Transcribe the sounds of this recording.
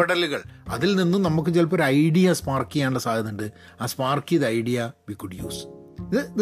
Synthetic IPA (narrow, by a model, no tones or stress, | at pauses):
ɐɽɐluɣɐɭɐ̰ðilninːumnɐmuk̬ːɨt͡ɕelp̬ːɐoɾɐjɽijɐspaːrkijaːɳɨɳɭɐsaːd̪ɐðuɳɖɨ | aːspaːrkiɐðɨɐjɽijɐʋikuɖjṵːsiðɨ